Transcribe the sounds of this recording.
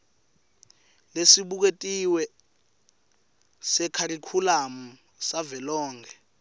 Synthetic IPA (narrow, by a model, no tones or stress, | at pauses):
lesiɓuk̬etʼiwɛ | sɛkʰaɾikʰulam̩ | savɛlɔːŋɡʰʱɛ